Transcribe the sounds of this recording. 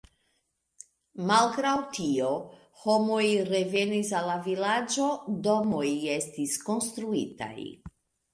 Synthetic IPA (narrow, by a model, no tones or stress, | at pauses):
malɡɾawtio̞ | ho̞mo̞jɾe̞ve̞nisalːavilad͡ʒo̞do̞moje̞stisko̞nst̪ɾuita̰j